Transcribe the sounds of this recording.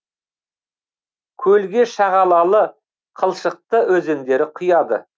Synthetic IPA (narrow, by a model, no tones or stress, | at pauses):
kʲʰɵlɡʲe̞ʃɑʁɑlˠɑlˠə | qʰəlˠʃəq̚t̪əʔɵze̞nd̪e̞ɾɪqʰʊjɑd̪ə̰